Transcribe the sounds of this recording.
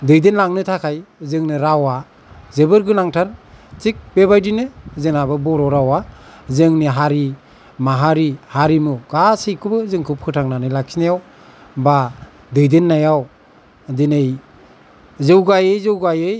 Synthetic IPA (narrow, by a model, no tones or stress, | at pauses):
dɯjdenlaŋnɯtʰakʰajzɯŋnɯɾawa | zebɯɾɡɯnaŋtʰant͡ʃik̚bebajdinɯzɯnabɯbɔɾɔɾawazɯŋniɦaɾi | maɦaɾihaɾimuɡasɯjkʰɯbɯzɯŋkʰɯp̚kʰɯtʰaŋnanɯjlak̚sinajaw | ba | dɯjdenːajaw | dinɯj | zɯwɡajɯjzɯwɡajɯj